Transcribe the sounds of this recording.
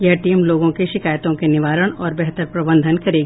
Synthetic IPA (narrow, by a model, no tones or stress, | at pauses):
jɐʈiːmloːɡõkeʃɪkaːjt̪õkenɪʋaːɾəɽ̃ɔːɾbɛɦt̪əɾpɾɐbə̃nd̪ʱənkɐɾeːɡ